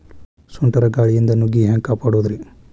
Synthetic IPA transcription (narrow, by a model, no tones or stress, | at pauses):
suɳʈɐɾɐɡaːɭijind̪ɐnuɡiɦeːŋkaːpaːɽuːd̪ɐɾi